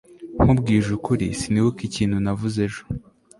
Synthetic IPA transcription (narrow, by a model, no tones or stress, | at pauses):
ŋ̥ubɡiːʒukuɾisiniwukiciːn̥hunavuze̞ʒo̥